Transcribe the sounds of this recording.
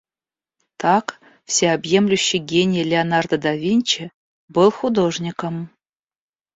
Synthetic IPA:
t̪ɑk | fsʲeabjemlʲuɕːɘ̆ɡʲenʲiəlʲeanɑrd̪əd̪ɑvʲinʲt͡ɕɘ̆ | bɨlˠxud̪oʐnʲikə̆m

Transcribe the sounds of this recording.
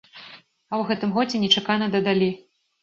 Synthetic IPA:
ɐwɣɛt̪ɨmɣɔd͡zʲɛnʲɛt͡ʂakanɐd̪ɐd̪alʲi

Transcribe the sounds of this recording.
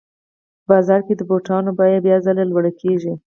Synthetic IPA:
əbɑzɑɾked̪əboʈɑnobɑjad̪bjɑzalelwəɽəkʰeʒi

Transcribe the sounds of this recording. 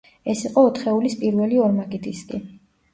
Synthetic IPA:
ɛsiqʼɔːt̪ʰχɛulispʼiɾvɛliɔɾmaɡid̪ʼiskʼḭ

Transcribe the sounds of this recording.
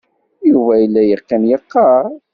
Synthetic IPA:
juvæilːæjəʁkːænjəqːɑ

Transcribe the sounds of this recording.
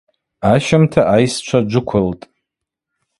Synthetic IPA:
aʃɪmtʰaʔajst͡ʃʷʰad͡ʒʷʊkʷʰʊltʼ

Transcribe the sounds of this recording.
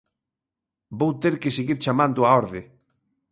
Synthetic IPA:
bowt̪eɾkeseɣiɾt͡ʃamãnd̪ʊaɔɾðɪ

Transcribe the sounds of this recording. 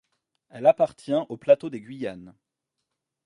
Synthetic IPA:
ɛlapaʁt̪jɛ̃ʔoplat̪od̪eɡʲɥijan

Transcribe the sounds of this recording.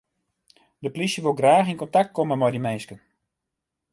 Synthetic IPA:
dəplisjəʋolˠɡraːxinkontak̚t̚koməmɔjdimɛːskən

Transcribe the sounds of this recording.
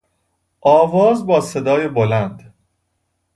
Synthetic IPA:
ʔɒːvɒːzbɒːse̞d̪ɒːjebolænd̪

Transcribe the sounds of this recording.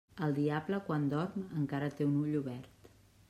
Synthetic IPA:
əlˠd̪iabləkwand̪ɔɾməŋkaɾət̪eunuʎuβɛrt̪

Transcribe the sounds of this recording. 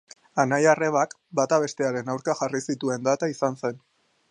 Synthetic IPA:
anajare̞βak | bat̪aβe̞st̪e̞aɾe̞nawɾkaxarisit̪ue̞nd̪at̪aisanse̞n

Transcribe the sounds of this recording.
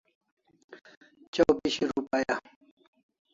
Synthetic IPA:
t͡ɕɐwpiɕiɾupaja

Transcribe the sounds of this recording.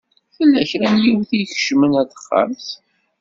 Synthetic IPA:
fəlːæçɾænjiwθiçə̥ʃmənætə̥χːə̰ɾθ

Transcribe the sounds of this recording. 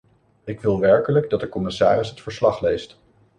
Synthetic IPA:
ɪkʋɪlˠʋɛɹkələɡdɑt̚dəkɔmɪsaːrɪsɦətfəɹslɑχlejst

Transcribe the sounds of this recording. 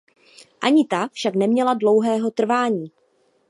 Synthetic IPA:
ʔaɲɪt̪afʃaknɛmɲɛladlo̞wɦɛːɦo̞t̪r̩vaːɲiː

